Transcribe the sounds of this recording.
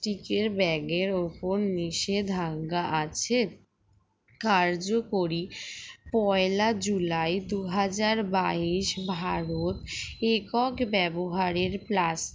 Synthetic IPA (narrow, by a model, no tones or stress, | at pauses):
ʈikeɾbɛɡeɾoponniʃed̪ʱaŋɡaʔat͡ɕʰe | kaɾd͡ʑokoɾipɔelad͡ʑulajd̪uɦad͡ʑaɾbaiʃbʱaɾot̪ekɔkbɛboɦaɾeɾplas